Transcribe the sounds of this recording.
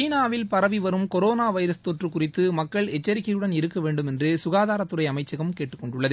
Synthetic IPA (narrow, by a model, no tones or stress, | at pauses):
t͡ʃiːnaːʋɪlpɐɾɐʋiʋɐɾɯmkɔɾoːnaːʋɐɪɾɐst̪oʈrɯkʊrɪt̪ːɯmɐkːɐɭɛt͡ʃːɐɾɪɣɐjɯɽɐnɪɾɯkːɐʋeːɳɖɯmɛndrɯsʊɣaːðaːɾɐt̪ːɯrɐɪɐmɐɪt͡ʃːɐɣɐmkeːʈːɯkːɔɳɖʊɭːɐðɯ